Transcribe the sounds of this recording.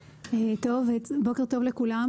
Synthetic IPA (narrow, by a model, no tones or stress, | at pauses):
et̪o̞vebo̞ke̞ʁt̪ovlekulam